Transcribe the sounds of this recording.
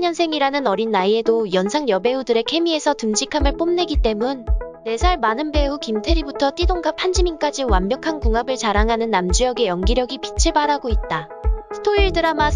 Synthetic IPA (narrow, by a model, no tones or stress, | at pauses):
ɲʌnsʰe̞ŋiɾanɯnʌɾinːaie̞dojʌnsʰaŋjʌbe̞udɯɾe̞kʰe̞miesʰʌtɯmd͡ʑikʰamɯɭp͈omne̞ɡit͈e̞munː | e̞sʰaɭmanɯnbe̞ukimtʰe̞ɾibutʰʌt͈idoŋɡapʰand͡ʑimink͈ad͡ʑiwammjʌkʰankuŋabɯɭt͡ɕaɾaŋɦanɯnːamd͡ʑujʌɡe̞jʌŋɡiɾjʌɡipit͡ɕʰiɭbaɾaɡoit̚t͈a | sʰɯ̥tʰoiɭdɯɾama